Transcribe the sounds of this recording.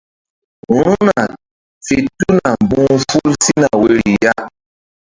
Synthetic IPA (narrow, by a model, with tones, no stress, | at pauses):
ɾũ˦na˨ | fe˨tu˦na˨m˨bũ˦fu˦lsi˦na˨we˨ɾi˨ja˦